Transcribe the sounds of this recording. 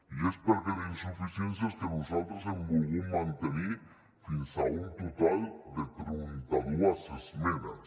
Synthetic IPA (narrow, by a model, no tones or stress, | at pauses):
iespeɾkelinsufisjensjask̪enusalt̪ɾosemmoɣumãnt̪eni | finsa̰unt̪ut̪ald̪et̪ɾint̪aðuasezmẽna̰s